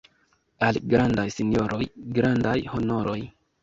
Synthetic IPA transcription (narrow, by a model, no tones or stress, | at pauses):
alɡɾandajsinjo̞ɾo̞jɡɾandajho̞no̞ɾo̞j